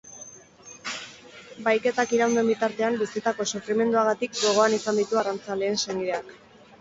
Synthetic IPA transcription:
bajke̞t̪akiɾawnd̪e̞mbit̪aɾt̪e̞ambisit̪ako̞sufɾime̞nd̪uaɣ̞at̪ikɡo̞ɣ̞o̞anisand̪it̪uarant͡sale̞ːnseŋɡiðeak

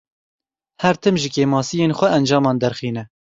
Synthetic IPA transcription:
hɛɾt̪ʰɨmʒɪkeːmɑːsijeːnxʷɛʔɛnd͡ʒɑːmɑːnd̪ɛɾxiːnɛ

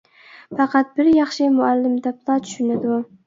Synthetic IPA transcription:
fɑqɑt̪̚bɪɾjɑχʃɪmʊalːɪmd̪ap̚t̪ʰɑt̪ʰy̥ʃɪnad̪

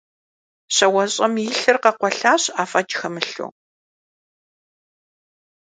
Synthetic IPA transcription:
ɕɐwɐɕʼɐmjɪɬɨrqɐqʷɔɬaːɕaːfɐd͡ʒxɐmɨɬo̰ː

